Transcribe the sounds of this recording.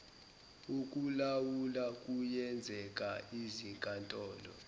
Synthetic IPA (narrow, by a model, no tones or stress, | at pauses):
uk̬ʼulawulakʼujɛnd͡zʱɛk̬ʼaizikʼantʼɔːlɔ̰